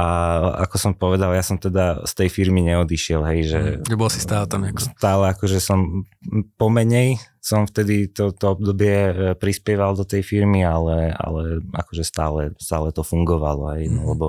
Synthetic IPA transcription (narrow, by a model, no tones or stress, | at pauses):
ʔaa̰kɔsɔmpɔʋɛd̪aljasɔmt̪ɛd̪ast̪ɛjfiɾmiɲɛɔd̪iʃɪɛlɦɛjʒɛ̰ʒɛbɔlsist̪aːlt̪amakst̪aːlɛakɔʒɛsɔmpɔmɛɲɛj | sɔmft̪ɛd̪it̪ɔt̪ɔɔb̚d̪ɔbɪɛpɾispɪɛʋald̪ɔt̪ɛjfiɾmialɛa̰lɛa̰kɔʒɛst̪aːlɛst̪aːlɛt̪ɔfuŋɡɔʋalɔ̰ɦɛjlɛbɔ